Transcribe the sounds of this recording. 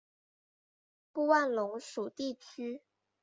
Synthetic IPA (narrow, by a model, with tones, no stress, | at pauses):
pu˥˧wa˥˩nlʊ˧˥ŋʂu˨˩t̪i˥˩t͡ɕʰy˥